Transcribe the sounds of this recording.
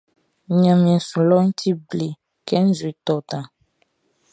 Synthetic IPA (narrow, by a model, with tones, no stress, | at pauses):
ɲã˨mĩ˨ɛ̃˨su˨lɔ˦ŋ̩˦tʰi˦ble˨ | kɛ˦n̩˦zu˨e˨t̪ɔ˨t̪ã˨